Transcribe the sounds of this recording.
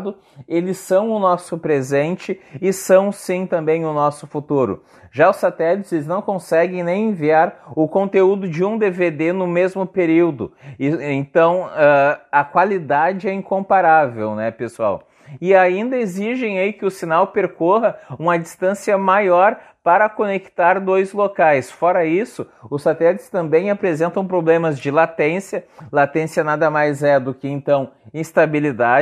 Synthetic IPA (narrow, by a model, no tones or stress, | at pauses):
d̪ʊ | elɪsɐ̃w̃ʊnɔsʊpɾezẽnt͡ʃɪɪsɐ̃w̃sĩt̪ɐ̃mbẽj̃ʊnɔsʊfut̪uɾʊ̰ | ʒaʊsːat̪ɛlit̪ɪzelɪznɐ̃w̃kõsɛɡẽj̃nẽj̃ẽviaɾʊkõnt̪eud̪ʊd͡ʒɪũd̪eved̪enʊmezmʊpeɾiwd̪ʊẽnt̪ɐ̃w̃ɛɐkwalid̪ad͡ʒɪɛĩkõmpaɾavewnɛpesua̰w | ɪaĩnd̪ɐeziʒẽj̃aikɪʊsinawpeɾkoɦɐũmɐd͡ʒist̪ɐ̃siɐmajɔɾ | paɾɐkonekt̪aɾd̪ojzlokajsfɔɾɐisʊʊsat̪ɛlit̪ɪst̪ɐ̃mbẽj̃apɾezẽnt̪ɐ̃w̃pɾoblẽmɐzd͡ʒɪlat̪ẽsjɐlat̪ẽsjɐnad̪ɐmajzɛd̪ʊkɪẽnt̪ɐ̃w̃ĩst̪abilid̪a